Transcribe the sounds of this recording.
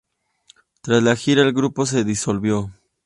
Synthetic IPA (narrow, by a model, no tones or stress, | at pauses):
t̪ɾaslaxiɾaelɡɾupo̞s̬e̞ðiso̞lβjo̞